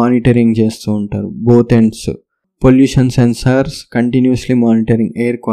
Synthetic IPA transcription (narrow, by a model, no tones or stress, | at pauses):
aːniʈɐɾiŋɡt͡ʃe̞ːst̪uːɳʈaːɾuboːt̪eɳɖs | poljuːʂɐnsensɐɾskɐɳʈinjuɐslimaːniʈɐɾĩŋɡejɐɾkʋa